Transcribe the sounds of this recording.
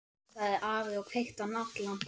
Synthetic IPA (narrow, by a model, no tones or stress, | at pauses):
θaðɛɾʔaːvɪɔɣfejht̪anat̪lan̥t̪